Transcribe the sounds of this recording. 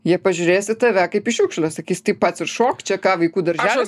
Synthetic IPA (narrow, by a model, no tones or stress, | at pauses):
jiɛpɐʒʲʊɾʲeːjsʲɪt̪ɐʋʲækɐɪpiʃʲukʃʲlʲˠɐsɐkʲiːsʲt̪ɐɪppɐt̪sʲɪrʃoːkt͡ʃʲɛkɑːʋɐɪkuːd̪ɐɾʲʒʲæːʋ